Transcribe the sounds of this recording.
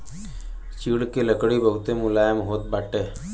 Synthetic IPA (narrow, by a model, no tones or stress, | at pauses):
t͡ʃiɽkeləkɽibəɦʊt̪emʊlaːjəmɦoːt̪̚baːʈeː